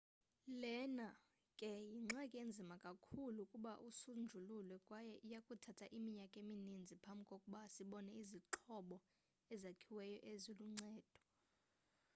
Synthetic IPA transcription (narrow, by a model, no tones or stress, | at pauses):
lɛna | kʼɛjiŋ͡ǀɛkʼiend͡zʱimakʼakʰulukʼuɓaʔusund͡ʒʱululwɛkʼwajɛʔijakʼutʰatʰaʔimiɲakʼeminind͡zʱipʰambʱkʼokʼuɓaːsiɓɔnɛiziǁʰɔɓɔ | ɛzakʰiwɛjɔʔeziluŋ͡ǀɛːd̥ʱɔ̥